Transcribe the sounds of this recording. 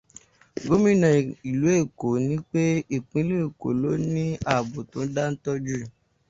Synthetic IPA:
ɡo˦mĩ˦nã˨i˨lu˨˦e˦˨ko˨˦nĩ˦k͡pe˦i˦˨k͡pũ˨˧i˦lu˦e˦˨ko̰˨˦lo˦nĩ˦a˦˨bo˨tõ˨˦da˦n̩˦tɔ˦d͡ʒu˦˨

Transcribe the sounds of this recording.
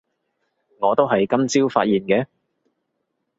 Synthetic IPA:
ŋɔː˨˧t̪o˥wɦɐ˨jkɐ˥mt͡siː˥wfa̰ː˧t̚jiː˨nkɛː˧

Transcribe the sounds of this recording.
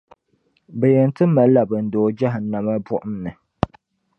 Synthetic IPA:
bɛ˨jɛ˨n˦tɨ˦ma˨lla˨bɨ˨n̩˨doː˨˦d͡ʒa˦ɦɨ˨˦na˨ma˦bʊ˦ʔʊ˦mnɨ˨

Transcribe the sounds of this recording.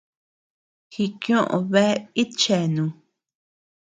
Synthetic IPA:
xi˧kj̃õ˦ʔõ̰˨βe˦i˦t͡ʃe˨nũ˨

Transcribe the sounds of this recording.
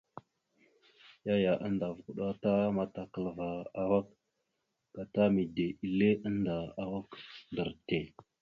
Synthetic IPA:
ja˦ja˨ʔə˦nda˨və˨ku˨ɗa˦ta˦ma˦ta˨kə˨lva˨a˦wa˦k̚ | ɡ̥a˨ta˦mi˨de˨i˨le˦ʔə˦nda˨a˨wa˦kdə˨ɾte˨

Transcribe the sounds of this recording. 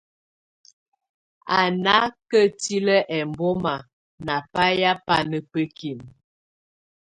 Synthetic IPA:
a˨na˦kə˦ti˦lə˦ʔɛ˨mbɔ˦ma˨ | na˨pa˦ja˦pa˦nə˦pə˦ki˨m

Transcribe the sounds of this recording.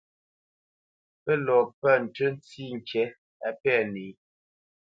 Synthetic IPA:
pə˦lɔ˨pə˦˨n̩˨tə˦n˦ti˦˨ŋ˨kɛ˦ | a˨˦pɛ˦˨ne˨˦

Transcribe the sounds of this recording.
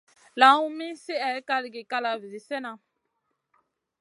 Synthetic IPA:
la˨˦ũ˦mi˦si˦ɛ˨˦ka˦li˨ɡi˨ka˦la˨vi˨zi˨sɛ˦na˨

